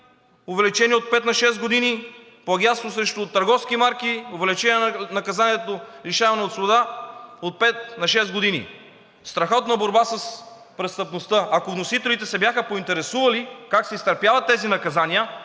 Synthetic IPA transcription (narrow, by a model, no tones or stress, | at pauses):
ʊvɛlit͡ʃɛnʲiot̪̚pɛt̪nɐʃɛsɡod̪ini | poɐɡʲanst̪vosɾɛʃt̪ʊt̪əɾɡɔfskimaɾkiovɛlit͡ʃɛniɛnɐkɐzaniɛt̪oliʃavɐnɛot̪svod̪aot̪̚pɛt̪̚nɐʃɛszɡod̪inḭ | st̪ɾɐxɔt̪nɐboɾbasəs | pɾɛst̪əpnost̪ɤʔɐkovnosit̪ɛlit̪ɛsɛbjaxəpoint̪ɛɾɛsuvɐlikaksɛist̪ɐɾpjavɐt̪ːɛzinɐkɐzaniə